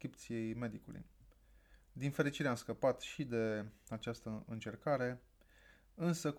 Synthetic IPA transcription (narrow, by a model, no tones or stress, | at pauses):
kɾipt̪sije̞jme̞d̪ikulṵj | d̪infe̞ɾit͡ʃiɾeamskəpat̪ʃid̪e̞at͡ʃast̪əɨnt͡ʃe̞rkaɾe̞ | ɨnsək